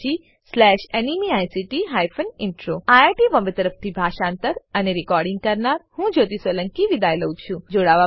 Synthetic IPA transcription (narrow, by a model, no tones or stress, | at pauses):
i | slɛʃenimiajsiʈiɦajfʰənɪɳʈɾoajaʈiʋə̃mbet̪əɾəft̪ʰibʱaʃãnt̪əɾəneɾikɔɾɖɪ̃ŋɡ̚kəɾnaɾhũd͡ʒot̪isʋələŋkiʋid̪ajlət͡ʃʰũd͡ʒoɽaʋa